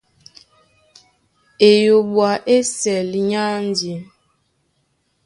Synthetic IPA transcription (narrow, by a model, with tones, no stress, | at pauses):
e˨jo˨ɓwa˨ʔe˦sɛ˨lɲa˦n˦d͡ʒi˨